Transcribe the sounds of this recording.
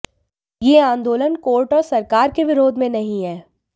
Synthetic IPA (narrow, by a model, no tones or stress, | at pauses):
jeːãːnd̪oːlənkoːɾʈɔːɾsɐɾkaːɾkeʋɪɾoːd̪ʱmẽnɐɦĩɦɛː